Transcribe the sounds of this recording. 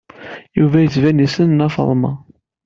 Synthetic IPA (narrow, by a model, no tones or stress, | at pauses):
juvæjət͡svænisənnɑfə̰ðˤmɑ̰